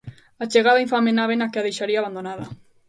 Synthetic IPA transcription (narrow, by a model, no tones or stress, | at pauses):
at͡ʃeɣaðaiɱfamenaβenakeaðejʃaɾiaβand̪onaða